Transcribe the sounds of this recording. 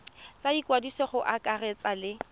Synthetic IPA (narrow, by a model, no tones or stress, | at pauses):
t͡sʼaikʼwadisɔχʊʔakʼarɛt͡salɪ